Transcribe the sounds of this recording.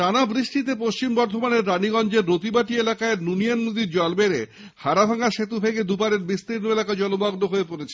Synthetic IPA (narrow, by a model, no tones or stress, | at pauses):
anabɾiʃʈit̪̬epoʃt͡ɕimbɔɾd̪ʱomaneɾːaniɡɔnd͡ʑeɾːot̪ibaʈielakaenunianmod̪iɾd͡ʑɔlbeɾe | haɾabʱaŋaʃet̪ubʱeɡed̪upaɾeɾbist̪iɾnoelakad͡ʑɔlobaɡnoɦoepoɾet͡ɕʰe